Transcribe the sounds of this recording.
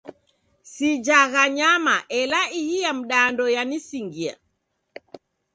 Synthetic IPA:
sid͡ʒaɣaɲamaʔɛlaihijam̩ɗaːndɔjanisiŋɡia̰

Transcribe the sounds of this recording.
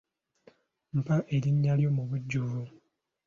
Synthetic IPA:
m̩paʔe̞ɾiɲːaljo̞muβuɟːuvu

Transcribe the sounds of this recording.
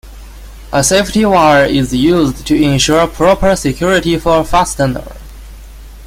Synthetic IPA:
ʔəseɪftiwaɪəɹɪzjʉztʰɨɪ̃nʃʊɹpʰɹ̥ɔpʰə˞sɪkʰj̥ʊɹɪɾifə˞fastənə̰ɹ

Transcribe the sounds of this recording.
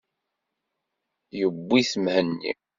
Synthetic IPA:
jəbːiθmhənːḭ

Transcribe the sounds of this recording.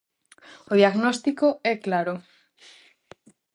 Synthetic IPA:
oðjaɣnost̪ikoɛklaɾo

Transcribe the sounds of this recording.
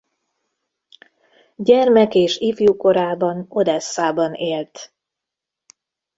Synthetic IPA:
ɟɛrmɛkeːʃifjuko̞ɾaːbɒno̞d̪ɛsːaːbɒneːlt̪

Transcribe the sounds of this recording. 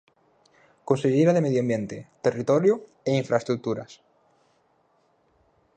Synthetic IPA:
konseʎeɾaðemeðjoambjẽnt̪et̪erit̪oɾjo | eiɱfɾʔaest̪ɾuk̚t̪uɾa̰s

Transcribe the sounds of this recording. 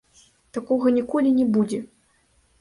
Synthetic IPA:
t̪akɔɣɐnʲikɔlʲinʲɛbud͡zʲɛ

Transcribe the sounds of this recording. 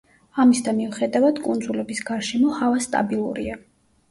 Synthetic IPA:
amisd̪anmiuχɛd̪avad̪̥kʼund̪zulɛbisɡaɾʃɛmɔhavast̪ʼa̰bilˠṵɾḭa

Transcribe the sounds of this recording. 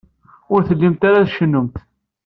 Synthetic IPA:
ʊɾθəlːimt̪aɾaðʃənːəmt̪

